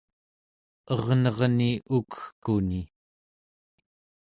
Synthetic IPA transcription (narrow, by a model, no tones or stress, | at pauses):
ʌʁnʌʁniukə̥xkuni